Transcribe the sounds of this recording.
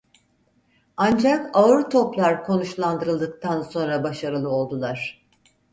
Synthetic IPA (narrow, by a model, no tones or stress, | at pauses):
and͡ʒakaɯɾt̪ʰo̞plˠaɾkʰo̞nuʃlˠand̪ɯɾɯlˠd̪ɯk̚t̪anso̞nɾabaʃaɾɯlˠɯo̞lˠd̪ulˠaɾ̝̥